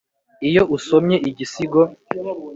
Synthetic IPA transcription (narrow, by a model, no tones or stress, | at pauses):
ijo̞usomɲe̞ʔiɟisiɡo